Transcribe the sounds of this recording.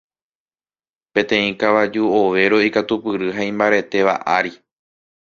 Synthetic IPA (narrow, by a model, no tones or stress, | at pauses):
pẽ̞t̪ẽĩkaʋad͡ʒuoʋe̞ɾo̞ikat̪upɨɾɨɦaĩmbaɾe̞t̪e̞ʋa̰ʔaɾi